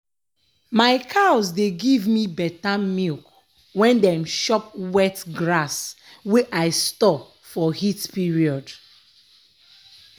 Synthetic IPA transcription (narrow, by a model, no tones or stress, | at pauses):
maɪkʰaɔsdeɡivmibɛtamilk | wɛ̃ndɛmʃɔp̚wɛtɡɹas | weʔaɪstɔ | fɔhitpiɹiɔd